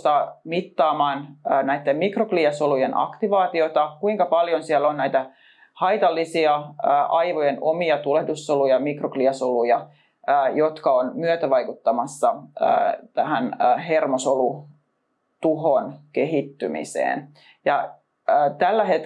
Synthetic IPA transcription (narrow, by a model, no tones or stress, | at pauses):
t̪ɑmit̪ːɑːmɑːnːnæijt̪ːemmikrokliɑsolujenʔɑ̰kt̪iʋɑːt̪iot̪ɑkuiŋkɑpɑljonsiɛlːonnæit̪æ | hɑit̪ɑlːisiɑəːʔɑjʋojenomiɑt̪ulehdusːolujɑmikrokliɑsolujɑː | jot̪kɑonmyøt̪æʋɑjkut̪ːɑmɑsːɑ̰ː | t̪æhænːɦermosolu | t̪uɦonkeɦit̪ːymḭsḛːn | jɑː | t̪ælːæɦet̪